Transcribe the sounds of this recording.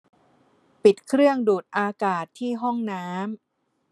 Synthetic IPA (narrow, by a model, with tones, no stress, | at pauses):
pi˨˩t̪̚kʰɾɯ˥˩əŋduː˨˩t̪̚ʔaː˧kaː˨˩t̪ʰːiː˥˩ɦɔ˥˩ŋnaː˦˥m